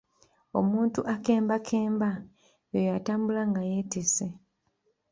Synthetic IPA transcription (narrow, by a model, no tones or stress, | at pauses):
o̞muːntuʔake̞ːmbakʰeːmba | jojataːmbulaŋɡajetese